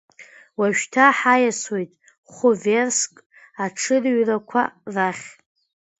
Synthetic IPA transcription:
waʃᶣtʰaħajaswejtʼ | χʷʊverskʼ | aʈ͡ʂʰɨrɥrakʷʰa̰raχʲ

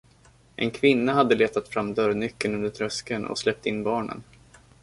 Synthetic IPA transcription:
ʔɛ̰nkʰvɪnːaɦad̪ːəleːt̪at̪fɾamːd̪œɾnʏkːənɵnd̪əʈ̪ʰɾœskənɔ̰slɛp̚t̪ɪnːbɑːɳə̰n

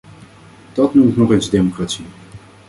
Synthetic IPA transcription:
d̥ɑtnumɪknɔχeːnzdemokratsi

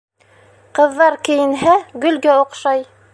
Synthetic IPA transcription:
qɤ̆ðːɑɾkɘ̆jɘ̆nɦæɡɵ̆lɡæoqʃɑj

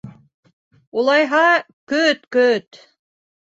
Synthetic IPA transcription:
ulˠɑjɦɑ | kɵt̪kɵt̪

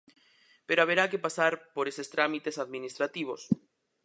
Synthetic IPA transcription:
peɾoaβ̞eɾakepasaɾpoɾesest̪ɾamit̪esaðminist̪ɾat̪iβ̞os

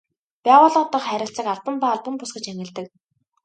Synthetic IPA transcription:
pʲæːwʊːɮɔːt̪ə̆χχæɾʲɪ̆ɬt͡sə̆kaɮpə̆mpaːɮpə̆mpʊsɡɘ̆t͡ɕæŋʲɪ̆ɮt̪ɘ̆k

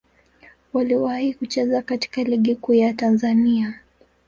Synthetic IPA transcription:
waliwahikut͡ʃɛzakati̥kaliɠikuːjatanzania

